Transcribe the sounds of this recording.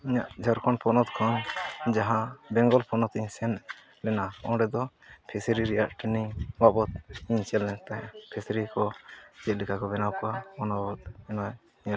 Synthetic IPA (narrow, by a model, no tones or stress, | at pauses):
iɲaʔd͡ʒʱɔɾkʰɔnpʰɔnɔt̪kʰɔnd͡ʒaɦãbɛŋɡɔlpʰɔnɔt̪iɲsɛn | lɛnaɔ̃ɖɛd̪ɔ | pʰɛsɾiɾɛjaʔʈiniwabɔt̪̚iɲsɛlːɛnt̪ajpʰɛsɾikɔd͡ʒɛt̪̚likʰakɔbɛnawkɔaɔnabɔt̪̚ɛnɔj | ɲɛl